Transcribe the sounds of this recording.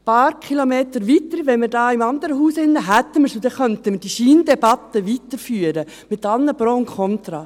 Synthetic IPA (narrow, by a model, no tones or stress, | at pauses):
pɑːɾkʰχilomeːt̪əɾʋit̪əɾiʋɛnmɪɾdɑːɪmɑnd̪əɾəɦuːsɪnːəɦæt̪ːəməɾsud̥̪ɛχœntəməɾd̥iʃiːndɛbɑt̪əʋitəɾfyːəɾə | mɪt̪ɑlnəpɾoːʊŋkʰɔnt̪ɾɑː